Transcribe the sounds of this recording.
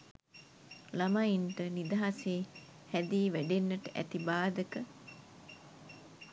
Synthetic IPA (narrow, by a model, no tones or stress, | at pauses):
lamajinʈənid̪aɦaseː | hæd̪iːʋæɖenːəʈəʔæ̰t̪ibaːd̪əkə